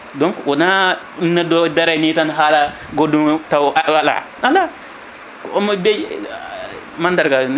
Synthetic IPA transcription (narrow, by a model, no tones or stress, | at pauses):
doŋkwona | nadodaɾanitanɦala | ɡodutawaala̰ | ala | omabe | mandaɾɡa